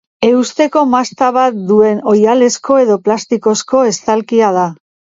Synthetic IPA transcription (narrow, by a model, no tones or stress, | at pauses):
e̞ust̪e̞ko̞mast̪aβat̪̚d̪ue̞no̞jale̞sko̞e̞ðo̞plast̪iko̞sko̞e̞st̪alkiað̞a